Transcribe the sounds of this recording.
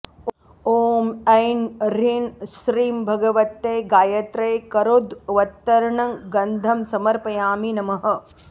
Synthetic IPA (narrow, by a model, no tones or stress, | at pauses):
oːmɐjnɾinsɾiːmbʱɐɡɐʋɐt̪ːeɡaːjɐt̪ɾɐjkɐɾod̪ʋɐt̪ːɐɾɳɐŋɡɐnd̪ʱɐmsɐmɐɾpɐjaːminɐmɐɦɐ̆